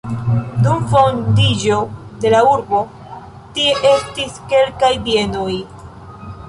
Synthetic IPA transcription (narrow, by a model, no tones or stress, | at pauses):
dumfo̞ndid͡ʒode̞lauɾbo̞ | tie̞ʔe̞stiske̞lkajbie̞noj